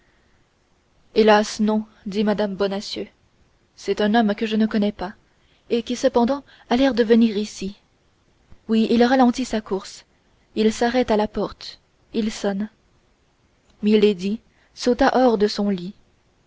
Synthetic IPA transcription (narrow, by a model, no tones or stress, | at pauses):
elasnɔ̃ | d̪imad̪ambɔnasjø | sɛt̪ɛ̃nɔmkəʒənəkɔnɛpa | ekʲisəpɑ̃d̪ɑ̃ | alɛʁd̪əvəniʁisi | wiilʁalɑ̃t̪isakuʁs | ilsaʁɛt̪alapɔʁt̪ | ilsɔn | miled̪i | sot̪aʔɔʁd̪əsɔ̃li